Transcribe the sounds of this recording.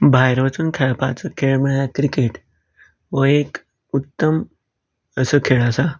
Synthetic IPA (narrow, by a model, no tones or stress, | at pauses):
bʱajɾʋat͡suːnkʰɛɭpa̰t͡səkʰeɭm̤əɭakɾikeʈ | ʋəek | ut̪ːəm | əsəkʰeɭəsa